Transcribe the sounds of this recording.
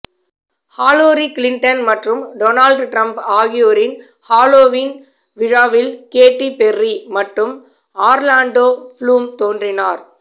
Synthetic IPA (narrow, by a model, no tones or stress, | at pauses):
haːloːɾiklɪɳʈɐnmɐʈrɯmɖoːnaːlɖʈɾɐmpaːɣɪjoːɾɪn | haːloːʋiːn | ʋɪɻaːʋɪlkeːʈːipɛrːimɐʈrɯm | aːɾlaːɳɖoːfluːmt̪oːndrɪnaːɾ